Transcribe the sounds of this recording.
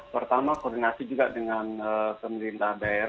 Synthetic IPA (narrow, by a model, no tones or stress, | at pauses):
pərt̪amakɔrdinasid͡ʒuɡadəŋanəpəməɾint̪ahdaeɾ